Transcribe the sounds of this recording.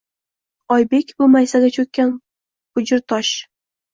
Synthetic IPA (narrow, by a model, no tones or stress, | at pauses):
ɒjbe̞kʲbʊmajsaɡʲat͡ʃʰɵk̚ʲkʲːan | χʊd͡ʒɪɾt̪ʰɒʃ